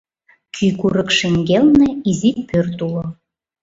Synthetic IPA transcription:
kʰykuɾə̆kʃeŋɡelnĕizitpørt̪ulo

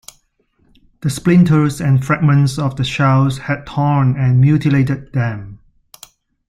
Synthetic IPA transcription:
d̥əsplɪ̃ntʰəɹzɛ̃nfɹɛɡ̚mə̃nsɔfdəʃaʊshɛd̚tʰɔnɛ̃nmjutiletəd̚ðɛ̃m

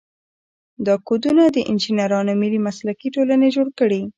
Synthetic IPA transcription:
d̪ɑkod̪unad̪əʔɪnd͡ʒinaɾɑnomɪlimaslakiʈolaned͡ʒoɽkəɽi

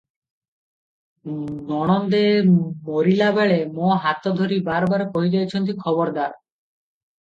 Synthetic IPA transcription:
nɔɽ̃ɔnd̪emoɾilabeɭemoɦat̪od̪ʱoɾibaɾbaɾepoɦid͡ʑajt͡ɕʰɔnt̪̬ikʰɔβɔɾd̪aɾ

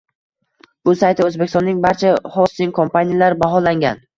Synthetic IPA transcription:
b̥ʊsajt̪ʰɪɵzbekʲɪst̪ɔnːɪŋbaɾt͡ʃʰahɒst̪ɪŋkʰo̞mpʰanijalaɾɪbaɦɒlaŋɡʲa̰n

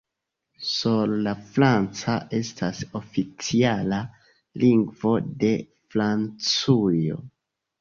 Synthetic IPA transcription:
suɾlafɾant͡saʔe̞staso̞fit͡siala | liŋɡvo̞de̞ | fɾant͡sujo̞̰

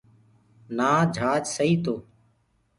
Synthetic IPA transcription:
naːd͡ʒʱaːd͡ʒsəɦiːt̪oː

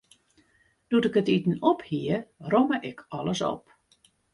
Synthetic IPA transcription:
d̥utɪkətitən̩ɔphiərɔməʔɪkʰɔləsɔ̰p

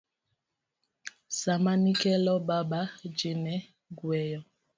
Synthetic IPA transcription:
samanikɛlɔbabad͡ʒinɛ | ɡwɛjɔ

